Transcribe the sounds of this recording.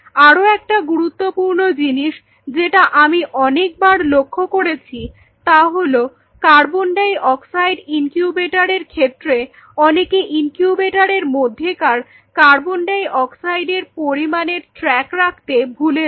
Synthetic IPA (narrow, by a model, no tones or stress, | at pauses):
aɾoɛk̚ʈaɡuɾut̪ːopuɾnod͡ʑiniʃ | d͡ʑeʈaʔamiʔɔnek̚baɽlokʰːokoɾet͡ɕʰi | t̪aɦolo | kaɾbonɖajʔɔksajɖinkjubeʈaɾeɾkʰet̪ːɾe | ɔnekeʔinkjubeʈaɾeɾmod̪ʱːekaɾ | kaɾboɳɖajʔɔksajɖeɾpoɾimaneɾʈɾɛkɾakʰt̪ebʱule